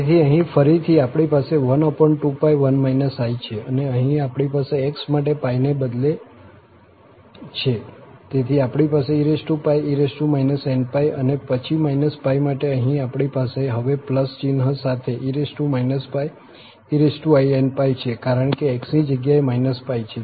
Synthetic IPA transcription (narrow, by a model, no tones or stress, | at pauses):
et̪ʰiəɦĩfəɾit̪ʰiapɽipaseʋənɔpəɳʈːupajʋənmajnəsajt͡ʃʰeəneəɦĩapɽipaseːksmaʈepajnebəd̪le | t͡ʃʰet̪et̪ʰiapɳipaseiɾesʈupajiɾesʈumainəsenpajə̰nepət͡ʃʰimainəspajmaʈeəɦĩapɽ̃ipaseɦəʋepləst͡ʃinɦəsat̪ʰeʔiɾesʈumainəspaj | iɾesʈuajenpajt͡ʃʰekaɾəɳkeːksnid͡ʒəɡjaemajnəspajt͡ʃʰe